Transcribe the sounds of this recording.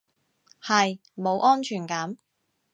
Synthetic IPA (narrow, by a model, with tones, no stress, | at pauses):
hɐ˨j | mo˨˧wʔɔː˥nt͡ʃʰyː˨˩nkɐː˨˥m